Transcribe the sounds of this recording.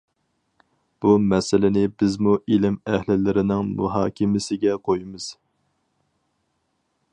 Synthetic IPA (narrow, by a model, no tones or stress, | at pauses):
b̥umɛsɪlɪnɪbɪzmuʔilɪmæhlɪlɪɾɪnɪŋmṵɦɑːkʲʰɪmɪsɪɡʲɛqʰojimɨz̥